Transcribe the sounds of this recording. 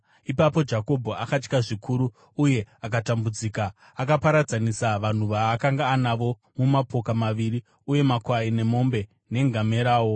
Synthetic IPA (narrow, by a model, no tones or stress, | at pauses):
ipapo̞d͡ʒako̞bʱoakat͡ʃkaʐikʰuɾuː | je̞ak̬atambud͡ziːkaː | kapaɾad͡zanisaʋan̤uʋaːkaŋɡaːnaʋo̞ | mumapo̞kamaʋiɾi | uje̞makwaine̞mo̞mbe̞ | ne̞ŋɡʱame̞ɾaːwo̞